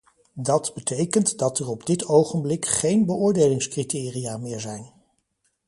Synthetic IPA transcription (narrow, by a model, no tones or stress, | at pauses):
dɑdbətʰejkəntdɑtɛrɔbdɪtowχənblɪkχejnbəʊːɹdejlɪŋskritɪːrijaːmɪːɹzɛjn